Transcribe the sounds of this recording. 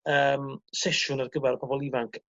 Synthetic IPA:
əmsɛʃʊnarɡəvɛɾpʰɔbɔlˠivaŋkʰ

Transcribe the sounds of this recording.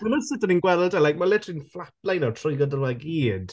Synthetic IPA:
madsɪtəninɡwɛlˠɔdalajk̚malɛtʰriːnflˠaplˠajnɔtʰrɔjɡɔdərwaɡiːd̥

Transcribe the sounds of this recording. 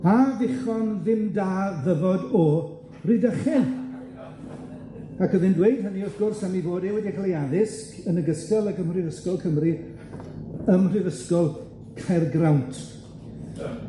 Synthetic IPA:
avɪχɔnðɪmdaːðəvɔdɔ | ridəχɪ | akʰəðɪndwejd̥̚həniɔfɡ̥ʊrsamivoːdewɛdikʰalˠejaðɪskənəɡəstɛlˠəkəmrɨðəskɔlˠkʰəmri | əmr̥ɨðəskɔlˠ | kʰarɡrawntʰ

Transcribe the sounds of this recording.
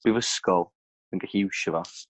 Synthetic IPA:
b̥ɪvəskɔlˠ | ənɡaɬiɪwʃəva

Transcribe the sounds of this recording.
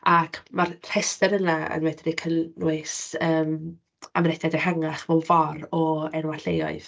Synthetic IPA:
akʰmarr̥ɛstɛɾənaə̰nwɛdrikʰənnwɪsəːm | amnɛd̥adəhaŋaχvɔlˠvɔrɔɛnwaɬejɔ̰ɨð̥

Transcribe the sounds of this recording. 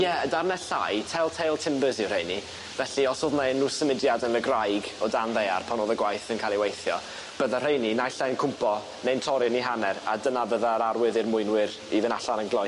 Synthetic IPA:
jɛdarnɛɬa̰jtʰɛlˠtʰejlˠtʰɪmbəzɪwr̥ejni | vɛɬiɔsoðnanːuːsəmɪdjadənəɡrajɡɔdanðeja̰rpʰanoːðəɡwajθənkʰalˠiwejθjɔ | b̥əðarejninajɬankʰʊmpʰɔ | nejntʰɔɾɪniɦanɛɾa̰dənavəðaɾaɾwɪðɨrmʊɨnwɪɾ | ivɨnaɬanənɡlˠɔj

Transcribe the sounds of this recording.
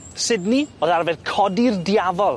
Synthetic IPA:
sɨdniːoðarvɛdkʰɔdirdjavɔlˠ

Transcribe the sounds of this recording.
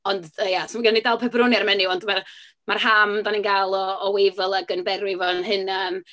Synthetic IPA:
ɔndəjasɔmaɡɪnnidalˠpʰɛbrʊnjaɾmɛnɪɔndmar | marhamdaninɡalˠɔːwejvəlˠaɡənbɛɾwɪvɔnɦɨnan

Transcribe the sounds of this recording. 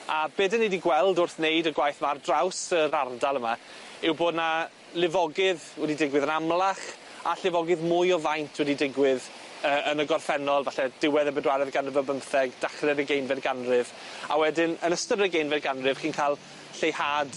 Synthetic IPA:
abeːdənidiɡwɛlˠdʊrθnejdəɡwajθmardrawsəɾardalˠəma | ɪwboːdna | lɪvɔɡɪð | wɛdidɪɡwɪðənamlˠaχ | aɬɪvɔɡɪðmʊjɔvajntʰwɛdidɪɡwɪð | əːʔənəɡɔrθɛnɔlˠvaɬɛd̥ɪwɛðəbɛdwaɾɛðɡanəvəbəmθɛɡd̥aχrɛðəɡejnvɛdɡanrɪv | a̰wɛdɪnənəstəɾəɡejnvɛdɡanrɨv̥χiːnkʰalˠ | ɬejhad̥

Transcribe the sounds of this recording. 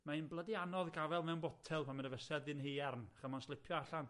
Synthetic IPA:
mainblˠədɪanɔðɡavɛlˠmɛwnbɔtʰɛlˠpʰanmənəvɛsɛdɪnhiːɛrnχəmɔnslˠɪpʰjɔaɬan

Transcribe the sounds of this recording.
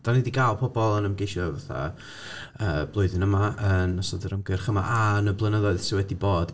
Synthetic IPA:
d̥anidiɡajlˠpʰɔbɔlˠənəmɡejʃɔvaθa̰ | əːb̥lˠʊɨðɪnəmaənːɔsɔdəɾəmɡərχəma̰ʔanəblˠənəðɔɨð̥sɪwɛdiboːd̥

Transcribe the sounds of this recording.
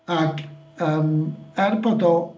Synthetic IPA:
akʰ | əːmɛrboːdɔ

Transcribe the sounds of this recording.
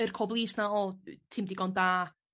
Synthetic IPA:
ərkʰɔblˠiːsnaɔtʰɪmdiɡɔndaː

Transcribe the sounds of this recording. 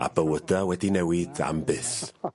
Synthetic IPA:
a̰bəwədawɛdinɛwɪda̰mbɪθ

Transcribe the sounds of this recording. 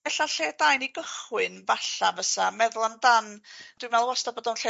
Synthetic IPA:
ɛɬaɬeːd̥ajniɡəχwɨnvaɬavəsamɛðʊlˠandand̥wɨmvɛlˠwɔstabɔːdɔnɬeː

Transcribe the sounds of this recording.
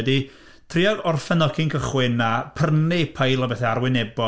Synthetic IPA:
ɛdi | tʰriɔɡɔrfɛnɔkʰɪnkʰəχwɪnapʰərnɪpʰajlˠɔbɛθɛarwɪnɛbɔ

